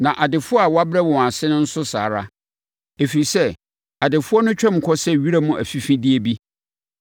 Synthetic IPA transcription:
nã˨ʔa˨dɪ˨fʊ˦ɔ˦a˨wa˦bɾɛ˦wɔ̃˨a˨sɪ˦nʊ̃˦n̩˦sʊ˦sa̰ː˨ɾa˦ | e˨fi˨i˨sɛ˦ | a˨dɪ˨fʊ˦ɔ˦nʊ̃˦t͡ɕᶣɛ̃˦m̩˨kʰɔ˦sɛ˦ɥi˦ɾa˦mũ˦ʔæ̰˨fi˦fĩ˦di˦e˦bi˦

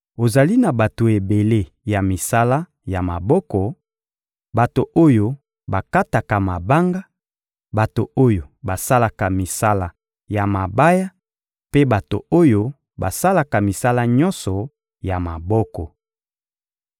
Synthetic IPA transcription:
o˨za˨li˦na˨ba˨to˨e˨be˨le˦ | ja˨mi˨sa˦la˦ | ja˨ma˨bɔ˦kɔ˨ | ba˨to˨ʔo˦jo˦ | ba˨ka˦ta˨ka˨ma˨ba˦ŋɡa˦ | ba˨to˨o˦jo˨ba˨sa˦la˨ka˨mi˨sa˦la˨ | ja˨ma˨ba˦ja˦ | pe˦ba˨to̰˨o˦jo˦ | ba˨sa˦la˨ka˨mi˨sa˦la˦ɲɔ̃˦nsɔ˨ | ja˨ma˨bɔ˦kɔ˨

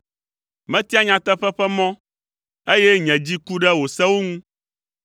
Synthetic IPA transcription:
mɛ̃˦t̪i˦a˦ɲã˨t̪ɛ˦ɸɛ˦ɸɛ˦mɔ̃˦ | e˦jɛ˦ɲɛ̃˨d͡ʑi˦ku˦ɖɛ˦wo˨sɛ˦wo˦ŋũ˦

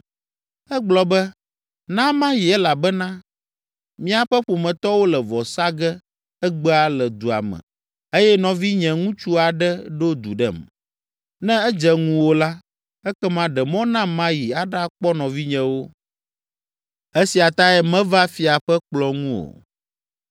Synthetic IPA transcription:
ɛ˦ɡ͡blɔ˨bɛ˦ | nã˦mã˦ji˨ɛ˦la˨bɛ˦nã˦ | mĩ˦a˨ɸɛ˦ɸo˨mɛ̃˨t̪ɔ˦wo˦lɛ˨vɔ˨sa˦ɡɛ˦ | ɛ˦ɡ͡bɛ˦a˨lɛ˨d̪u˨a̰˨mɛ̰̃˨ | e˦jɛ˦nɔ̃˨vi˦ɲɛ̃˨ŋũ˦t͡ʃu˦a˨ɖɛ˦ɖo˦d̪u˨ɖɛ˦˨m | nɛ̃˦ɛ˦d͡ʒɛ˦ŋũ˦wo˦la˦ | ɛ˦kɛ˦mã˦ɖɛ˨mɔ̃˦nã˦mã˦ji˨a˨ɖa˦k͡pɔ˦nɔ̃˨vi˦ɲɛ̃˨wo˦ | e˦si˨a˨t̪a˦ɛ˦mɛ̃˦va˦fi˨a˨ɸɛ˦k͡plɔ˦ŋũ˦o̰˨

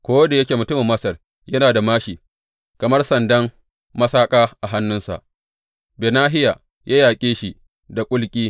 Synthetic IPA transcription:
kʷoː˦wɐ˦da˨jɐ˦kʲeː˨mʊ˨tʊ˦mɪ˨mːɐ˦sɐ˨r | jɐ˦naː˨da˨maː˦ʃiː˨ | kɐ˨mɐ˦rsɐ˨ndɐ˦m | mɐ˦saː˦kʼaː˦ʔa˨ɦa˦nːʊ˦nsa̰˨ʔ | beː˨naː˦ɦɪ˦ja˨ | jʔaː˦jaː˨kʲʼeː˦ʃi˦ | da˨kʷʼʊ˦lkʲʼiː˦

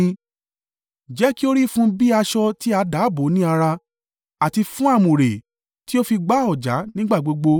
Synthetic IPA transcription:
d͡ʒɛ˨˦ki˦o˦ɾi˦˨fũ˦bi˦a˧ʃɔ˧ti˦a˧da˨˦bo˨˦nĩ˦a˧ɾa˧ | a˨ti˧fũ˦a˦˨mũ˨ɾe˨ | ti˦o˦fi˧ɡ͡ba˦ɔ˦˨d͡ʒa̰˨˦nĩ˦ɡ͡ba˦˨ɡ͡bo˧˦ɡ͡bo˧

